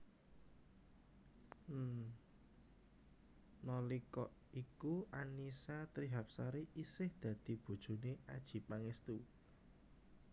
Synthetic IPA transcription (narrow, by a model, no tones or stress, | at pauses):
nɔlikɔʔ | ikuanisat̪ɾiɦap̚saɾiʔisɪhd̪̥ä̤d̪̥i̤b̥ṳd̥ʒ̥ṳneʔad̥ʒ̥i̤paŋest̪u